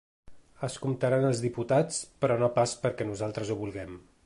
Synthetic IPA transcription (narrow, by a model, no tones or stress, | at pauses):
əskumt̪aɾanəlˠzðiput̪at͡spɾɔnopaspəɾkɛnuzalˠt̪ɾəzuβulˠɣɛm